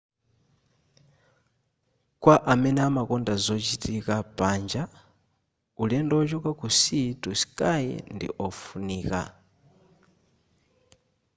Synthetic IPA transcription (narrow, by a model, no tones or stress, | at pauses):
kwaʔamɛnɛamakɔndazɔt͡ʃitʰikapʼand͡ʒa | ulɛndɔt͡ʃɔkakusitusi̥kʼajḭndḭʔɔfuniːka̰